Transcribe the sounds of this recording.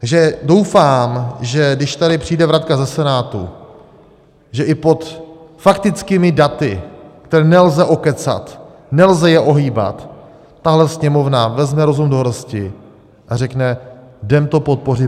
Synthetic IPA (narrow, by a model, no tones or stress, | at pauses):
t̪aʒɛdo̞wfaːmʒɛdɪʃt̪adɪpr̝̥ijdɛvɾat̪̚kazɛsɛnaːt̪ṵ | ʒɛʔɪpo̞t̪fakt̪ɪt͡skiːmɪdat̪ɪkt̪ɛɾɛːnɛlzɛʔo̞kɛt͡sa̰t̪ | nɛlzɛjɛʔo̞ɦiːba̰t̪ː | aɦlɛsɲɛmo̞vnavɛzmɛɾo̞zumdoɦɾscɪ | ʔarɛknɛdɛmt̪o̞po̞t̪̚po̞rɪ